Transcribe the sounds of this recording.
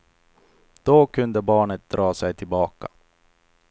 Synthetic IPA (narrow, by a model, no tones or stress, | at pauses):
d̪̥ɔkʰɵnd̪əbɑːɳət̪̚d̪ɾɑːsɛjt̪ʰɪlbɑːka̰